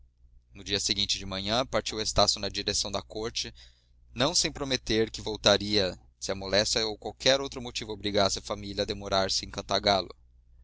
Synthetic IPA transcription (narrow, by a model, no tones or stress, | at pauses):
nʊd͡ʒiɐseɡĩnt͡ʃɪd͡ʒɪmɐ̃ɲɐ̃paɾt͡ʃiwest̪asʊnɐd͡ʒiɾesɐ̃w̃d̪ɐkoɾt͡ʃɪ | nɐ̃w̃sẽj̃pɾomet̪eɾkɪvowt̪aɾiɐ | sɪɐmolɛst͡ʃɐowkwawkʰɛɾowt̪ɾʊmot͡ʃivʊobɾiɡasɪɐfamilɐːd̪emoɾaɾsɪẽkɐ̃nt̪aɡalʊ̰